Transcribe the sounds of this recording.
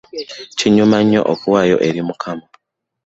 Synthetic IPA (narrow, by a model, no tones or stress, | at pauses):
ciɲumaɲːo̞̰ʔokuwaːjo̞̰ʔe̞ɾimukʰama